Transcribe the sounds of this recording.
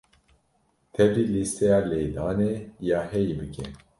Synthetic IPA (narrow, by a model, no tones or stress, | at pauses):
t̪ʰɛbɾiːlist̪ʰɛjaːleːd̪aːnejaːhɛjibɨkʰɛn